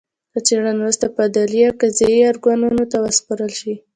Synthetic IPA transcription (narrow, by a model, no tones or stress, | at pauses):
kət͡seɽanɾust̪apad̪alijakazajiɑɾɡɑnunot̪awəspaɾəlʃi